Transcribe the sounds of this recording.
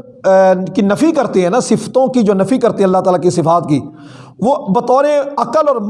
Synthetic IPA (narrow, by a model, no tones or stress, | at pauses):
kinɐfikɐɾt̪eɦɛ̃ːnasɪfʰt̪õkid͡ʒoːnɐfikɐɾt̪eɦɛ̃ɐlːaɦt̪aːlakisɪfaːt̪kiː | ʋoːbɐt̪ɔːɾẽɐkəlɔːɾm